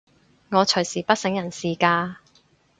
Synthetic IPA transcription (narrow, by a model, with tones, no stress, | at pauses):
ŋɔː˨˧t͡ʃʰɵ˨˩jsiː˨˩pɐ˥t̚sɪ˨˥ŋjɐ˨˩nsiː˨kaː˧